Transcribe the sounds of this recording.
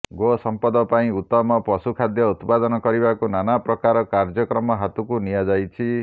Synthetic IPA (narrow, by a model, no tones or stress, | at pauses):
ɡosɔmpɔd̪ɔpaĩut̪ːɔmɔpɔsukʰad̪jɔut̪pad̪ɔnɔkɔɾibakunanapɾɔkaɾɔkaɾd͡ʒɔkɾɔmɔɦat̪ukunijad͡ʒajt͡ʃʰi